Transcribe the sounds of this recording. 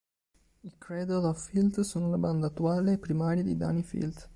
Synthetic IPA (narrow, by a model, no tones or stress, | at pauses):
ikɾɛd̪olɔvfilt̪soːnolaband̪aːt̪ːuaːleːpːɾimaːɾjad̪ḭd̪a̰ːnifḭlt̪